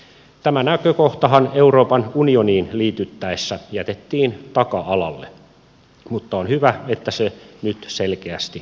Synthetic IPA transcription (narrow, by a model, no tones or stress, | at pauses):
t̪æmænækøkoht̪ɑɦɑneuɾoːpɑnunioniːnliːt̪yt̪ːæesːæjæt̪et̪ːiːnt̪ɑkɑɑlɑ̰lːḛ | mut̪ːɑonhyʋæet̪ːæsenyt̪selkeæst̪i